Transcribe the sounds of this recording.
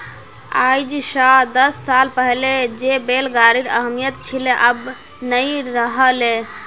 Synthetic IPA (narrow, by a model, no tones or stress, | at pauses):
a̰jd͡ʒsəd̪əsːalpəɦled͡ʒebelɡaɾiɾəɦmijət̪t͡ʃʰileʔəb | nəjɾəɦəle